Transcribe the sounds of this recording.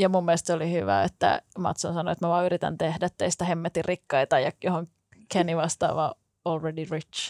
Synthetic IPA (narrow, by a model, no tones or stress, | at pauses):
jɑmumːiest̪solihyʋæ̰et̪ːæ̰mɑ̰t̪sonsɑnoet̪mæʋɑːyɾit̪æ̰nt̪ehdæt̪ːeist̪æhemːet̪irikːɑit̪ɑjɑjohoŋ | kʰeniʋɑst̪ɑ̰ːʋɑ̰ː | olredirit̪t͡ʃ